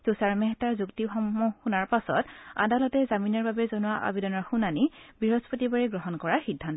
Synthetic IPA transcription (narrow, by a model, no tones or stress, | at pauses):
z̥usaɹmɛɦɛtaɹzuktixɔmɔxunaɹpasɔ̰ta̰dalɔtɛzaminɔɹbabɛzɔnʊwaʔa̰bidɔnɔɹxunanibiɹɔspotibaɹɛɡɹɔɦɔnkɔɹaɹxidʱːant